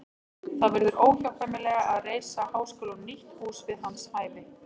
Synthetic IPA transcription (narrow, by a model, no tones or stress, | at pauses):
θaðvɛɾðʏɾʔoːwlawfamɪlɛːɣaʔaðreːjsahaːwskʏːlʏnniht̪huːsvɪðɦanːshaːjvɪ